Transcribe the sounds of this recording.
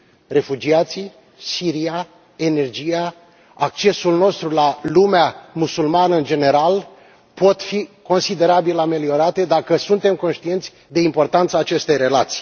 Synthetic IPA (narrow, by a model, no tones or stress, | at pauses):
re̞fud͡ʒiat̪si | siɾia | ene̞rd͡ʒija | ak̚t͡ʃe̞sulno̞st̪ɾulalumeamusulmanəɨnd͡ʒe̞ne̞ɾal | po̞t̪fiko̞nsid̪e̞ɾabilame̞lio̞ɾat̪e̞d̪akəsunt̪e̞mko̞nʃt̪ie̞nt̪sʲ | d̪e̞impo̞rt̪ant̪saːt͡ʃe̞st̪e̞jre̞lat̪si̥